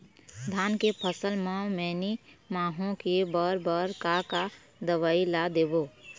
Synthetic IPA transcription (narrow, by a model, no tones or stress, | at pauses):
d̪ʱaːnkepʰəsəlmãmɛːnimaːɦõkebəɾbəɾkaka | d̪əʋaːilad̪eːboː